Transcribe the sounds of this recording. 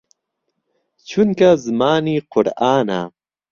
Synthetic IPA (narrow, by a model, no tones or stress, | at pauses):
t͡ɕʰunkazmaːniqʊɽaːna̰